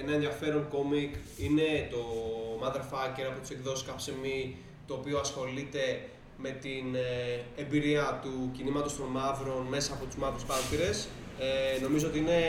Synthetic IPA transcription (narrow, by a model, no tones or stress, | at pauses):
enɐenðjɐfe̞ɾonko̞mikine̞t̪o̞mɐðɐfɐceɾɐpo̞t̪i̥sekðo̞si̥skɐpsemi | t̪o̞ːpio̞ɐsxo̞lit̪e̞ | me̞t̪ine̞mbiɾiɐt̪ucinimɐt̪o̞st̪o̞nmɐvɾo̞nme̞sɐːpo̞t̪uzmɐvɾuspɐɾt̪iɾe̞s | no̞mizoo̞t̪iine̞